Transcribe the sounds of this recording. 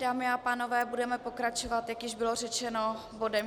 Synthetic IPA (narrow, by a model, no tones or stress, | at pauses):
daːmɪapaːno̞vɛːbudɛmɛpo̞kɾat͡ʃo̞vat̪jakjɪʒbɪlo̞rɛt͡ʃɛno̞ | bo̞dɛm